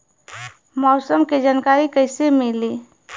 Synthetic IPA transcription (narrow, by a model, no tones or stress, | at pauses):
mɔːsəmked͡ʒankaɾikəɪsemili